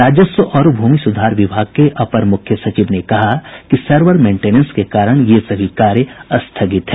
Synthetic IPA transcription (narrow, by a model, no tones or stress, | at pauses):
ɾaːd͡ʒəswəʔɔːɾbʱuːmisʊd̪ʱaːɾʋɪbʱaːɡ̚keʔɐpəɾmʊkʰjəsɐt͡ʃiʋnekɐɦakisɐɾʋəɾmẽːɳʈeːnə̃nskekaːɾəɽ̃jesɐbʱikaːɾjəɐst̪ʰɐɡɪt̪ɦɛː